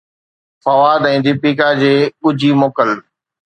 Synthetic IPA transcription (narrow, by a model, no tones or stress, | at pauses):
fɐʋaːd̪ɛ̃ːd̪ipiːkad͡ʑeːɓʊd͡ʑʱimoːkəl